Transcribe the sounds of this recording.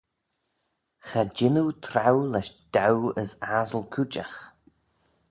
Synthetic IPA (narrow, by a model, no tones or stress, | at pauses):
xad͡ʒɪnut̪ʰɾawlɛʃd̪̥awəsazəlkʰut͡ʃa̰x